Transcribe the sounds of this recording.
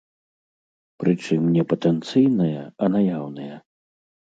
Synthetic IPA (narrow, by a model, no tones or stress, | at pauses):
pɾʔɨt͡ʂɨmnʲɛpɐt̪ɛnt̪sɨjnɐjɐɐnajawnɐjɐ